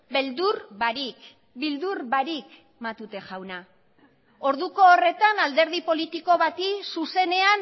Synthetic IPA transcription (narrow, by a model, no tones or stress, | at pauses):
beld̪uɾbaɾik | bild̪uɾβaɾik | mat̪ut̪e̞ʝawna | o̞ɾðuko̞ːre̞t̪anald̪e̞ɾð̞ipo̞lit̪iko̞βat̪isuse̞ne̞an